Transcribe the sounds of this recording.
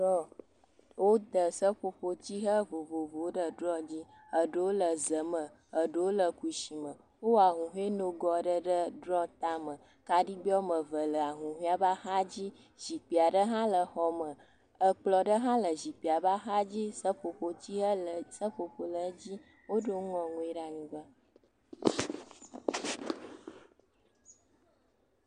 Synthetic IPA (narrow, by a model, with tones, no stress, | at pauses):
ɔ˦ | wo˦d̪ə˨sə˦ɸo˨ɸo˦t͡ɕi˦ɦə˦vo˨vo˨vo˨wo˦ɖə˦ɖɾɔ˦d͡ʑi˦ | ə˨ɖə˦wo˦lə˨zə˨mə̃˨ | ə˨ɖə˦wo˦lə˨ku˨ʃi˨mə˨ | wo˦wa˨ɦũ˨ɦũ˦e˦no˦ɡɔ˨ɖə˦ɖə˦ɖɾɔ̃˦t̪a˦mə̃˨ | ka˨ɖi˦bi˦o˦mə˨və˨lə˨a˨ɦũ˨ɦĩ˦a˨ba˦xa˦d͡ʑi˦ | ʒi˨k͡pi˨a˨ɖə˦ɦã˦lə˨xɔ˨mə˨ | ə˦k͡plɔ˨ɖə˦ɦã˦lə˨zi˨k͡pi˨a˨ba˦ɦa˦d͡ʑi˦sə˦ɸo˨ɸo˨t͡ɕi˦ə˦lə˨sə˦ɸo˨ɸo˨lə˨˦d͡ʑi˦ | wo˦ɖə˦wŋɔ̃˨ŋũ˦i˦ɖa˦ɲĩ˨bə˦